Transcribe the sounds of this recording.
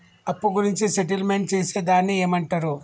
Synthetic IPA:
ɐpːuɡuɾiɲt͡ʃiseʈ̬ilmeɳʈ̚t͡ʃeːse̞ːd̪aːnːie̞ːmɐɳʈaɾu

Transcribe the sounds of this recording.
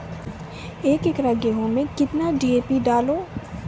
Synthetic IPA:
eːkekɾaɡeɦõmẽkɪt̪naɖiːeːpiɖaːloː

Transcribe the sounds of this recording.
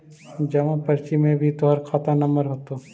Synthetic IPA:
d͡ʒɐʋãpɐɾt͡ʃimːẽbʱit̪oɦɐɾkʰaːt̪anɐməɾɦoːt̪oː

